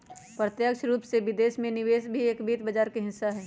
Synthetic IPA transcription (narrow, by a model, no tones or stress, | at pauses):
pɾət̪jəkʃɾuːpseʋɪd̪eːʃmẽnɪʋeːsbʱieːkbiːt̪bəd͡ʒaːɾkeɦɪ̃saɦɛː